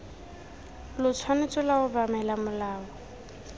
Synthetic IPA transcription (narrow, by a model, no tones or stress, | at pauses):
lʊt͡sʰwanɪt͡sʼʊlaʊbamɛlamʊlaːɔ